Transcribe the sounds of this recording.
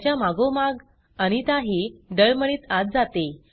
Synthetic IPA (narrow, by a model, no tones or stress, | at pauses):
t͡ɕjamaɡomaɡ | əɽ̃it̪aɦiːɖəɭməɽ̃iːt̪at̪̚d͡zat̪e